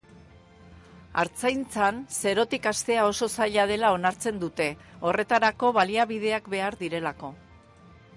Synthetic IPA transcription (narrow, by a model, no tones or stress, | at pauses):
a̰ɾt͡sajnt͡sanse̞ɾo̞t̪ikast̪e̞ao̞so̞saʎað̞e̞lao̞naɾt͡se̞nd̪ut̪e̞o̞re̞t̪aɾako̞βaliaβiðe̞akbe̞aɾðiɾe̞lako̞